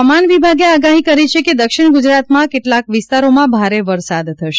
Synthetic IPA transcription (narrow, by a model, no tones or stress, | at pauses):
manʋibʱaɡeaɡaɦikəɾit͡ʃʰeked̪əkʃɪɳɡud͡ʒɾat̪mãkeʈlakʋɪst̪aɾomãbʱaɾeʋəɾsad̪t̪ʰːəʃe